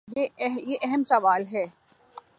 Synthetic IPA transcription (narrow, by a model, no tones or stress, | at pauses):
jejeʔɛɦəmsɐʋaːlɦɛː